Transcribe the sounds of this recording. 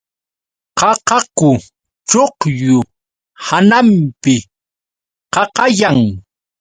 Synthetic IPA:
qɑqɑkʊ | t͡ʃoqjʊ | hanampɪ | qɑqɑjaŋ

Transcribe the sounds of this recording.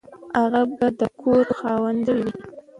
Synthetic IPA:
aɣabad̪əkʰoɾxɑwand̪əwi

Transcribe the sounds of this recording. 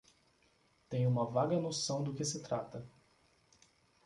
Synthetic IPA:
t̪ẽj̃ũmɐvaɡɐnosɐ̃w̃d̪ʊkɪsɪt̪ɾat̪ɐ

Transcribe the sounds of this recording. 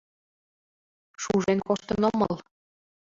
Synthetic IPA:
ʃuʒenkoʃt̪ɤ̆nŏmɤl

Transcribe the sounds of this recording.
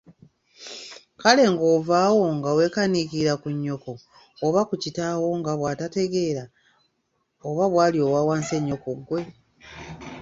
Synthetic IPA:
kale̞ŋɡoːvaːwo̞ŋɡawe̞ːkanikiɾakuɲːo̞ko̞ː | βakucitawo̞ŋɡaβwaːtate̞ɡe̞ɾa | oβaβwaːlio̞wawaːnse̞ɲːo̞koɡwe̞

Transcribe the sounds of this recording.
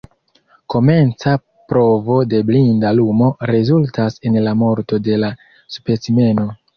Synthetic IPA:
ko̞me̞nt͡sa | pɾo̞vo̞de̞blindalumo̞ɾe̞zultase̞nlamo̞ɾto̞de̞la | supet͡sime̞no̞

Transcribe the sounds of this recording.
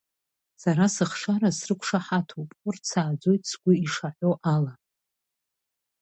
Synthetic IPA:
saɾasɨχʂaɾasrɨkʷʰʂaħatʰopʼʊrsaːd͡zo̞jtʼsɡʷʊiʂaħʷo̞ʔala

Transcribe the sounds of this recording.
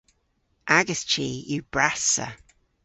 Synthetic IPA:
ʔaɡəst͡ʃʰiːjuːb̥ɹasə̰

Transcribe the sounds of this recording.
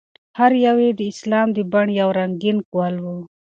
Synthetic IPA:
hɐɾjɐweːd̪iːslaːmd̪ibɐɳjawɾɐŋɡinkualwu

